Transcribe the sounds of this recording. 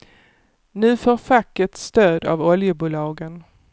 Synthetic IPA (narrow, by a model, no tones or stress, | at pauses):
nʉ̟ːfoːɾfakːəʈ̪st̪øːd̪a̰vɔljəbuːlɑːɡən